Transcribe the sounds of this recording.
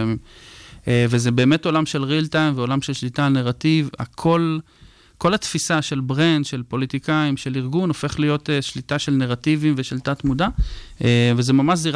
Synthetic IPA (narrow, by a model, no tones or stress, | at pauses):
m | evezebe̞ːme̞to̞lamʃe̞lʁiltajmveo̞lamʃelʃlitaneʁativa̰kʰo̞l | ko̞latfisaʃe̞lbʁend̪ʃe̞lpo̞litikaimʃe̞liʁɡuno̞fe̞χlijo̞teʃlitaʃe̞lneʁativimveʃeltat̪mudaevezemamaʃziʁ